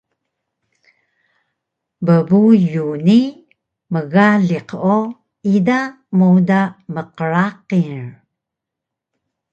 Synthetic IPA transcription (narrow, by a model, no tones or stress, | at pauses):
bəbujuni | məɣaɮiqo | ida | mowdaməqəɾaqiɹ